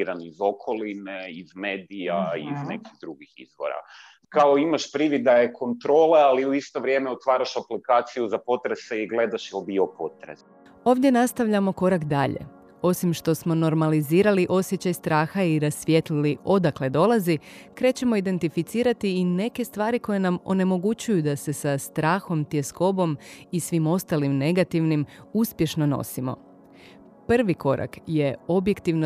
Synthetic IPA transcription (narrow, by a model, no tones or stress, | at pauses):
ɾanizo̞kʰo̞lineizmeːd̪ijaiznekiɣd̪ɾuɡixizʋo̰ɾa̰ | kaoimaʃpɾiʋid̪ajekʰo̞nt̪ɾo̞ːlealiuist̪o̞ʋɾje̞meot̪ʋaːɾaʃaplikaːt̪sijuzapo̞t̪ɾeseiɡle̞d̪aʃjɛlbiopo̞t̪ɾḛs | o̞ːʋd̪jenast̪aʋʎamo̞ko̞ɾakd̪aʎe̞̰ | o̞simʃt̪o̞smo̞no̞ɾmaliziːɾaliʔo̞sjet͡ɕajst̪ɾaːxaiɾasʋʲjet̪liliʔo̞d̪akle̞d̪o̞lazikɾe̞ːt͡ɕe̞mo̞id̪e̞nt̪ifit̪siːɾat̪iːne̞ke̞st̪ʋaːɾiko̞je̞namo̞̰ne̞mo̞ɡut͡ɕujud̪ase̞sast̪ɾaːxo̞mt̪ie̞sko̞bo̞misʋimo̞st̪alimne̞ɡat̪iʋnimuspje̞ʃno̞no̞̰simo̞̰ | pr̩ʋiko̞ɾʔa̰kje̞o̞bje̞kt̪iʋno